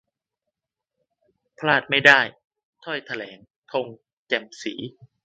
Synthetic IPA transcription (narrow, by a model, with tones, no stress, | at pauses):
pʰlaː˥˩t̪̚ma˥˩jdaː˥˩j | t̪ʰɔ˥˩jt̪ʰa˧lɛː˩˦ŋ | t̪ʰo˧ŋ | t͡ɕɛ˧˩msiː˩˦